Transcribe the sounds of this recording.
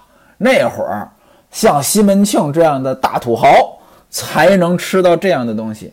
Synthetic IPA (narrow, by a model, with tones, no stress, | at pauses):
ne˥˩ɪxwə̰˞˨˩˥ | ɕjɑ˥˩ŋɕi˥mə˧˥nt͡ɕʰjɤ˥˧ŋʈ͡ʂɤ˥˧jɑ˥˩ŋd̪ə˩t̪a̰˥˩t̪ʰu˨˩xɑ˧˥ʊ | t͡sʰa˧˥ɪnɤ˧˥ŋʈ͡ʂʰɻ̩˥t̪ɑ˥˧ʊʈ͡ʂɤ˥˧jɑ˥˩ŋd̪ə˩t̪ʊ˥ŋɕḭ˨˩